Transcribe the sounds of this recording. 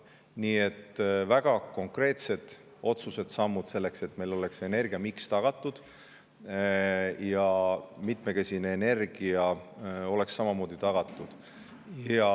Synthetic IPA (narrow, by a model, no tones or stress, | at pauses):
niːe̞t̪ːvæɡ̥ɑko̞ŋkre̞ːt̪se̞d̪̥ | o̞t̪suse̞d̪̥sɑmːud̪̥se̞lːe̞kse̞t̪ːme̞lo̞le̞kse̞ne̞rɡ̥ijɑmikst̪ɑɡ̥ɑt̪ːˑud̪̥ | jɑmit̪me̞kesʲineene̞rɡ̥iɑo̞le̞ksːɑmɑmo̞ːd̪̥it̪ɑɡ̥ɑt̪ːˑud̪̥ | jɑ